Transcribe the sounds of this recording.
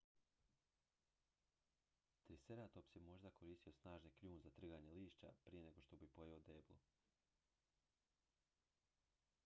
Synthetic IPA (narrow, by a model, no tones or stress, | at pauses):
t̪ɾiseɾaːt̪o̞psemo̞ʒd̪akʰo̞ɾiːst̪ijo̞snaːʒnekʎuːnzat̪r̩ɡaɲe̞liːʃt͡ʃa̰pɾije̞ne̞ɡo̞ʃt̪o̞bipo̞jeod̪eːblˠṵ